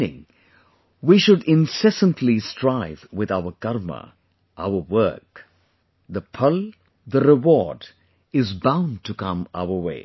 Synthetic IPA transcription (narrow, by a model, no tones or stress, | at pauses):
nɪ̰̃ŋ | wiʃʊɖɪ̃nsɛsə̃ntʰlistʰɹaɪvwɪðaʊəɡʌɾmə̰ | ʔaʊəwɜ˞k | ðəpʰʌl | ðəɾɪwɔːɖ | ɪzbãʊ̃n̚tʰukʌ̃ma̰ʊə˞wḛɪ